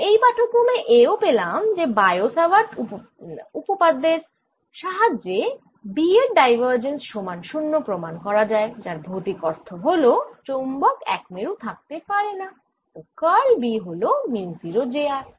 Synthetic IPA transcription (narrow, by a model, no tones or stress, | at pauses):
ejpaʈʰokːomeʔeopelamd͡ʑebajosabaʈ | upopad̪eɾ | ʃaɦad͡ʑe | bieɾɖajbʱaɾd͡ʑensʃomanʃunːopɾomankɔɾad͡ʑaed͡ʑaɾbʱot̪ikɔɾt̪ʰoɦolot͡ɕombɔkɛ̰kmeɾut̪ʰak̚t̪epaɾena | okaɭbiɦolominsiɾod͡ʑeaɾ